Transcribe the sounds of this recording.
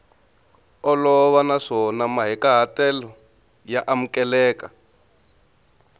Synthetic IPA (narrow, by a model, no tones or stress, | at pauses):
ɔlɔβanaʂɔnamaɦɛkaɦatɛlɔ | jaʔamukɛlɛːka